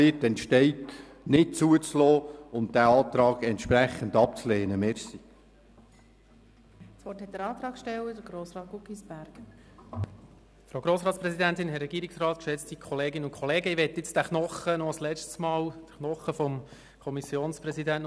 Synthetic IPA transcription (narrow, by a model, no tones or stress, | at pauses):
ɪtɛntʃtɛɪt | nɪt̚t͡suət͡slɔːʊntd̥æɑːt̪ɾɑːɡɛntʃpɾæχːəndɑp̚t͡sleːnəmɛɾsi | sʋɔthɛt̚ːəɾɑːt̪ɾɑːkʃtɛwəd̥əɡɾoːsrɑːt̚ɡukisb̥æɾɡ̥ | fɾaoʊɡɾoːsɾɑːtt͡ssprɛsidæntɪnɦɛɾrɛɡ̥iːɾɪksrɑːt̪̚kʃɛt͡stikʰɔleːɡɪnʊnkʰɔleːɡəiʋɛtːɪt͡sd̥æknɔχənɔslɛt͡ʃtsmɑːld̥əχnɔχəfɔm | kʰɔmisjoːnsprɛsidænt